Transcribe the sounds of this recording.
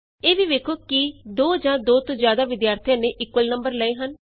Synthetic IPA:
eːʋiːʋeːkʰoːkid̪oːd͡ʒãːd̪oːt̪õːzjaːd̪aːʋɪd̪jaːɾt̪ʰijãːneːʔɪkʋəlnəmbəɾləeːɦən

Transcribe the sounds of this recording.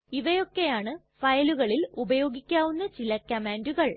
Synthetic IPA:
iʋɐjo̞kːe̞jaːɳɨ | fɐjɐluɣɐɭilubɐjo̞ːɡikʲːaːʋunːɐt͡ɕilɐkːɐmaːnduɣɐɭ

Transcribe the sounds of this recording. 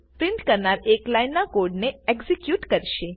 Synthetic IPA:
pɾɪ̃ɳʈkəɾnaɾeklajnːakoɾɖneekzikjuʈkəɾʃe

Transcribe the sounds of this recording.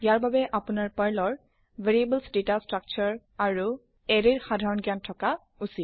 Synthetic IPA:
jaɹbabɛʔapunaɹpaɹlɔɹ | vʱeɹiebəlsdetastɹak̚t͡ʃɔɹ | aɹu | ɛɹiɹxadʱaɹɔnɡjantʰɔka | usit

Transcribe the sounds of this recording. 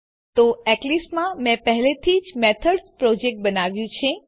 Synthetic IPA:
t̪oɛklismãmɛ̃pəɦlet̪ʰid͡ʒmet̪ʰəɖspɾɔd͡ʒek̚ʈ̚bənaʋjũt͡ʃʰe

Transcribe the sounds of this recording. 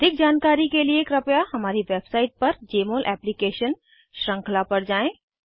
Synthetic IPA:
d̪ʱɪk̚d͡ʒaːnkaːɾikelieːkɾəpjahɦəmaːɾiʋebsaːɪʈ̚pəɾd͡ʒeːmoːlʔɛ̰plikeːʃən | ʃɾə̃ŋkʰlapəɾd͡ʒaːẽ

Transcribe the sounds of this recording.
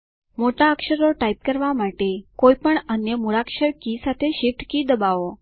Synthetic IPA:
moʈaəkʂəɾoʈaip̚kəɾʋamaʈekoipəɳənjəmuɾakʂəɾkiːsat̪ʰeɕifʈkid̪əbao

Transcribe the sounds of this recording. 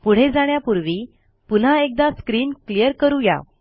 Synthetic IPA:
puɽ̤ed͡zaɽ̃japuɾʋi | pun̤aek̚d̪askɾiːnklijəɾkəɾuja̰

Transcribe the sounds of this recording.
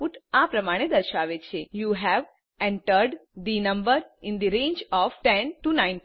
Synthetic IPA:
uʈapɾəmaɽ̃ed̪əɾʃaʋet͡ʃʰejuɦɛʋ | ɛ̃ɳʈəɾɖd̪inə̃mbəɾɪ̃nd̪iɾẽːnd͡ʒɔʋʈɛ̃nʈunãɪ̃n

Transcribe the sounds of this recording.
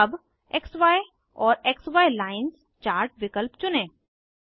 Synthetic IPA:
ɐb | eksʋaːj | ɔːɾeksʋaːjlaːɪns | t͡ʃaːɾʈʋɪkəlpt͡ʃʊnẽː

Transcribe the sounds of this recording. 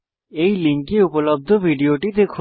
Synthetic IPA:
ejliŋkiupolob̚d̪ʱobʱiɖioʈid̪ekʰ

